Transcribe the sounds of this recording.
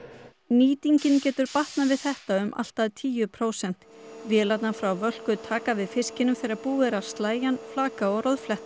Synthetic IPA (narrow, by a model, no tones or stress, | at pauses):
niːt̪iɲcɪncɛːt̪ʏɾpaht̪navɪðθɛht̪aʏmʔa̰l̥t̪aðt̪ʰiːjʏpʰɾoːwsɛn̥t̪vjɛːlat̪nafɾawvœl̥kʏt̪ʰaːkavɪðfɪscɪnːʏmθɛɾɪɾapuːɪɾḁst̪laːjanflaːkaɔɾoðflɛht̪